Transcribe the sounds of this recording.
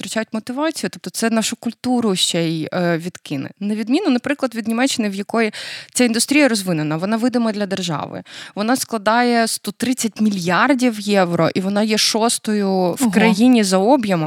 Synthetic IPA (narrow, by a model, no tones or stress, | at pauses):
t̪ɾɐt͡ʃʲajʊtʲmɔt̪ɪʋɑt͡sʲijʊt̪ɔp̚t̪ɔt̪sɛnɑʃʊkʊlʲt̪uɾʊʃt͡ʃɛjʋʲid̪kɪnɛ̰nɐʋʲid̪mʲinʊnɐpɾɪklˠɐd̪ʋʲid̪nʲimɛt͡ʃːɪnɪwjɐkɔjit͡sʲaind̪ʊst̪ɾʲijɐɾɔzʋɪnenɐʋɔnɑʋɪd̪ɪmɐd̪lʲɐd̪erʒɑ̰ʋɪ̰ʋɔnɑsklˠɐd̪ɑjɛst̪ɔt̪ɾɪt͡sʲːɐtʲmʲilʲjardʲiwjɛʋɾɔ̰ʔiʋɔnɑjɛʃɔst̪ɔjʊwkɾɐjinʲizɐɔbʲjɐm